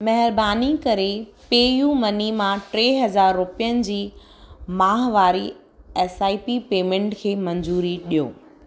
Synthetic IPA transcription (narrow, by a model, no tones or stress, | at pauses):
mɐɦɪɾbaːnikɐɾepeːjumɐnimãʈɾeːɦɐzaːɾːʊpijənɪ̆d͡ʑiː | mãːɦʋaːɾi | ɛːsaːipipeːmẽɳʈkʰeːmɐ̃ɲd͡ʑuːɾiɗijo̰ː